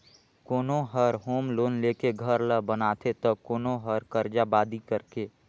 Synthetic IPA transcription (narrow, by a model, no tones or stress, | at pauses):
koːnoɦəɾɦoːmloːnleːkeɡʱəɾləbənaːt̪ʰet̪ɔkoːnoɦəɾkəɾd͡ʒabaːd̪ikəɾkeː